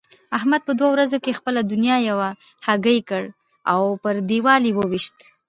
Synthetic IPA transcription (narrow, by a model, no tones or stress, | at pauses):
aɦmad̪̚pəd̪wawɾazokexpəlad̪ʊnjɑjawa | haɡəjkəɽ | awpəɾd̪iwɑliwəwiʃt̪